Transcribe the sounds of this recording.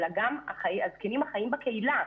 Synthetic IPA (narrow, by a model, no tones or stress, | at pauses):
laɡama̰χaazkenimhaχajimbakeila